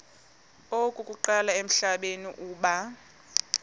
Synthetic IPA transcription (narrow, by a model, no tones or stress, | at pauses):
okʼukʼuǃalaem̩ɬaɓeniʔuːɓa